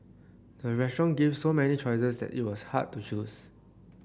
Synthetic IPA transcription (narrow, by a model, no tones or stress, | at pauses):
dəɹɛsʃɔ̃nɡivsomɛnit͡ʃɔɪsəsdɛ̰tḭt̚wɔshad̚tːut͡ʃus